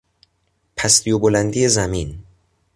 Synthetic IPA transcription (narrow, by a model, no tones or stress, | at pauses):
pʰæst̪ijobolænd̪ijezæmin